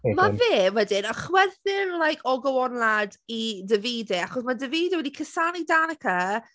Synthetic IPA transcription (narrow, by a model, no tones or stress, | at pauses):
maveːwɛdɪnɔχwɛðɪnlˠajkʰɔɡɔwɔnladidəviːdɛaχɔsmadəviːdɛwɛdikʰəsanidanəkʰə